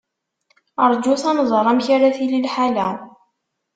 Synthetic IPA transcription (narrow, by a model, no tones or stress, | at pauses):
əɾˤd͡ʒuθɑnzˤəɾˤæmçaɾaθililħalæ